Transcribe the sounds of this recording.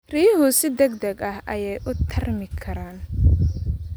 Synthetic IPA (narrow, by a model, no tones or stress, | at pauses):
riːɦʊsɪd̪ɛɡd̪ɐɡɐhʔɐjɛjʔʊt̪ʰɐrmɪkʰɐɾaːn